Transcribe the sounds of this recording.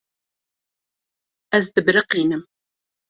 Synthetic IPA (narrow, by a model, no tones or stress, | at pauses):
æzd̪əbɾiqinəm